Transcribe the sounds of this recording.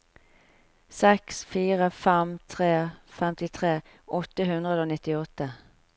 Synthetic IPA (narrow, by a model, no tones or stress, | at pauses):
sɛksfiːʁəfɛmt̪ʰʁeːfɛmt̪ɪt̪ʰʁeː | ʔɔt̪əɦʉnd̪ʁəd̪əoːnɪt̪ɪɔt̪ːə